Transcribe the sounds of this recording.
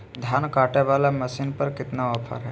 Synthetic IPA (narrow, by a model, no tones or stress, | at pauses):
d̪ʱjaːnkaːʈɛʋalaməsinpəɾkɪt̪naɔpʰə̰ɾɦɛ